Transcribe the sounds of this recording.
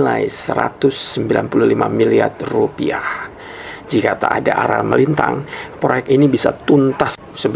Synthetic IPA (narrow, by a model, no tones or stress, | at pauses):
lajsəɾat̪ʊsːəmbilanpululimamilia̰drupiah | d͡ʒikat̪aːdaʔaɾa̰məlint̪aŋpɾojɛk̚inibisat̪unt̪as | səb